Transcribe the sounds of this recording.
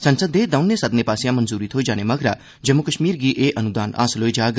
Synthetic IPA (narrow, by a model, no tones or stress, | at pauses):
sɐnsəd̪eːd̪ɐʊnːesɐd̪neːpaːsɪjãmɐnzuːɾiːt̪ʰɦoːid͡ʒaːnemɐɡɾaː | d͡ʒɐmːukəʃmiːɾɡiʔeːʔɐnud̪aːna̰ːsloːid͡ʒaːɡ